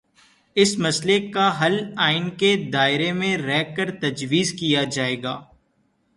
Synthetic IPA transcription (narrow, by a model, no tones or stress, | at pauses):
ɪsmɐslekaɦɐlaːɪnked̪aːɪɾemẽɾɛːkəɾt̪ɐd͡ʒʋiːzkijad͡ʒaːeːɡaː